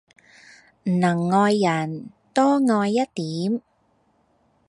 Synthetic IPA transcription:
m̩˨˩nɐ˨˩ŋːɔː˧jːɐ˨˩n | t̪ɔː˥ŋɔː˧jːɐ˥t̚t̪iː˨˥m

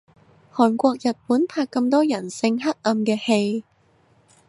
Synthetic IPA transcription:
hɔː˨˩nkʷɔː˧k̚jɐ˨t̚puː˨˥npʰaː˧kːɐ˧mt̪ɔː˥jɐ˨˩nsɪ˧ŋɦɐ˥t̚lɐ˧mkɛː˧he˧j

